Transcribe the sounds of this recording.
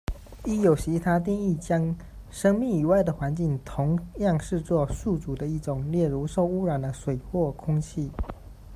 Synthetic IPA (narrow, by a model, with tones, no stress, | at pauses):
i˥jo˨˩ʊt͡ɕʰi˧˥t̪ʰa˥t̪̬i˥˧ŋi˥˩t͡ɕjɑ˥ŋ | ʂɤ˥ŋmi˥˨˩ŋi˨˩wa˥˩ɪd̪ə˩xwa˧˦nt͡ɕi˥˩ŋt̪ʰʊ˧˦ŋjɑ˥˧ŋʂɻ̩˥˧t͡swɔ˥˧su˥˩t͡su˨˩d̪ə˦i˥˩ʈ͡ʂʊ˨˩ŋljɛ˥˩ɻu˧˥ʂo˥˧ʊu˦ɻa˨˩nd̪ə˦swe˨˩ɪxwɔ˥˩kʰʊ˥ŋt͡ɕʰi˥˩